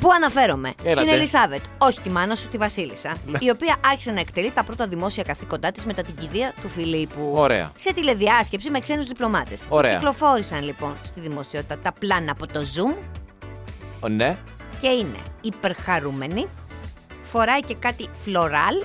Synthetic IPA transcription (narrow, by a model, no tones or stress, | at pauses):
puɐnɐfe̞ɾo̞me̞̰sinelisɐve̞t̪o̞çi̥t̪imɐnɐsut̪ivɐsilisɐio̞piɐʔɐɾçi̥senɐe̞kt̪e̞lit̪ɐpɾo̞t̪ɐðimo̞siɐkɐθiko̞nd̪ɐt̪izme̞t̪ɐt̪iɲɟiðiɐt̪ufilipuoɾḛɐ̰se̞t̪ile̞ðiɐsce̞psime̞kse̞nuzðiplo̞mɐt̪e̞soɾḛeɐklo̞fo̞ɾisɐnlipo̞nst̪iðimo̞sio̞t̪it̪ɐt̪ɐplɐnɐːpo̞t̪o̞zum | ne | ce̞ine̞̰ipe̞ɾxɐɾume̞ni | fo̞ɾɐice̞kɐt̪iflo̞ɾɐl